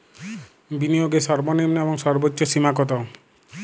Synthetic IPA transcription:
binijoɡesɔɾbɔnimnebɔŋsɔɾbotːjɔsimakɔt̪ɔ

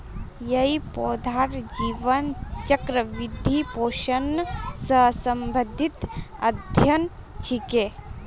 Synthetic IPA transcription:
jɐipoːd̪ʱaɾd͡ʒiːʋɐnt͡ʃɐkɾɐʋid̪ʱipoːʃɐnsɐsɐmbʱəd̪ʱit̪ɐ̰d̪ʱjɐn | t͡ʃʰike

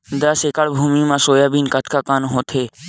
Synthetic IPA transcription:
d̪asekaɽbʱumimaʃojabinkat̪ʰkakanɦot̪ʰe

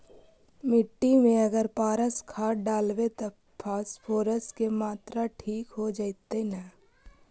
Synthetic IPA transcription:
mɪʈːimẽɐɡəɾpaːɾəskʰaːɖaːlwet̪ɐ | pʰaːspʰoːɾəskemaːt̪ɾaʈʰiːkɦod͡ʒaɪt̪ena

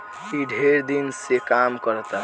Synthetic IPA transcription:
iɖʱeɾd̪insekamkəɾt̪a

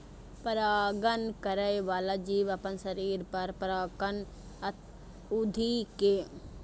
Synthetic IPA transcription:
pɐɾaːɡənkɐɾəjʋaːlad͡ʒiːʋɐpənsɐɾiːɾpɐɾpəɾaːkən | ɐt̪ | ʊd̪ʱikeː

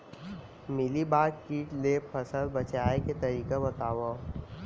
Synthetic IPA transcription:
mɪlibaːɾkiːʈleːpʰɐsəlbɐt͡ʃaːeket̪ɐɾiːkabɐt̪aːʋo

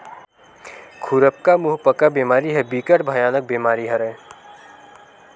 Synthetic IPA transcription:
kʰuɾəp̚kamuɦpəkabeːmaːɾiɦɛbiːkəʈbʱəjaːnək̚beːmaːɾiɦɐɾɛ̃

